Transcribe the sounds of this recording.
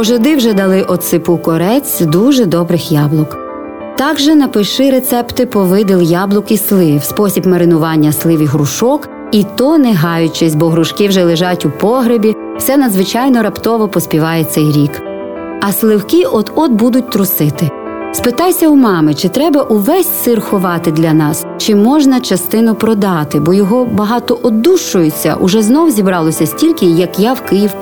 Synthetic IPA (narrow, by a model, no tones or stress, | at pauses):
ɔʒɔd̪ɪwʒɛd̪ɐlˠɪʔɔt̪sɪpukɔɾɛt͡sʲd̪uʒɛd̪ɔbɾɪxjɑblˠʊk | t̪ɑɡʒɛnɐpɪʃɪɾet̪sɛpt̪ɪpɔʋɪd̪ɪlˠjɑblˠʊkislˠɪwspɔsʲibmɐɾɪnʊʋɑnʲːɐslˠɪʋiɦɾʊʃɔk | it̪ɔnɛɦɑjʊt͡ʃɛsʲbɔɦɾʊʃkɪwʒɛlˠɪʒɑtʲupɔɦɾebʲi | fsɛnɐd̪zʋɪt͡ʃɑjnɔɾɐpt̪ɔʋɔpɔsʲpʲiʋɑjɛt̪sʲɛjɾʲik | ɐslˠɪwkiʔɔd̪ɔd̪bud̪ʊt̚ʲt̪ɾʊsɪt̪ɪ | spɪt̪ɑjsʲɐumɑmɪt͡ʃɪt̪ɾɛbɐʔuʋɛsʲsɪrxʊʋɑt̪ɪd̪lʲɐnɑs | t͡ʃɪmɔʒnɐt͡ʃɐst̪ɪnʊpɾɔd̪ɑt̪ɪbɔjɔɦɔbɐɦɑt̪ɔʔɔd̪uʃʊjʊt͡sʲːɐ̰ʔʊʒɛznɔwzʲibɾɑlˠɔsʲɐsʲtʲilʲkɪjɐkjawkɪjiw